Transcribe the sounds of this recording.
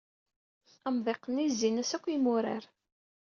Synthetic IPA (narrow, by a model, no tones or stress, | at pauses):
əmðˤeqːənizːinæsækʷːimʊɾa̰ɾ